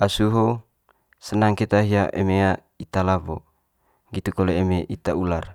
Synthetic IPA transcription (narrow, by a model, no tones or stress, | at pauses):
asuɦo | sənaŋket̪aɦiaʔḛmea | it̪alabo | ɡit̪ukoleemeʔit̪aular